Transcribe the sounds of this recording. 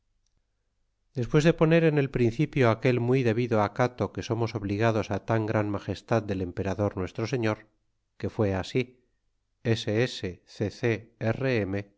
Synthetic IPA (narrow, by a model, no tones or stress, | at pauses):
d̪e̞spwe̞zðe̞po̞ne̞ɾe̞ne̞lpɾin̟θipjoake̞lmwiðe̞βiðoakat̪o̞ke̞so̞mo̞so̞βliɣ̞að̞o̞sat̪aŋɡɾanmaχe̞st̪að̚d̪e̞le̞mpe̞ɾaðo̞ɾnwe̞st̪ɾo̞se̞ɲo̞ɾ | ke̞fwe̞asi | eseese̞θeθeereeme̞